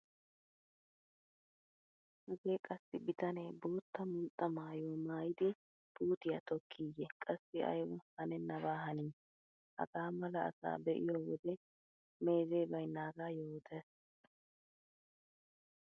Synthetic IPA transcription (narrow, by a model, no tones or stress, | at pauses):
hɐɡeːkʼɐsːɪbɪt̪ɐneːbo̞ːt̪ːɐmuːt̪ʼːɐmaːjoːmaːjɪd̪ɪ | b̥uːt̪ɪjɐt̪ɔkʰːiːjɛkʼɐsːɪɐ̰jwʊhɐnɛnːɐbaːɦɐniː | hɐ̰ɡaːmɐlɐɐ̰sa̰ːbɛʔɪ̰joːwɔd̪ɛ | meːzeːbɐjnaːɡaːjoːt̪ɛs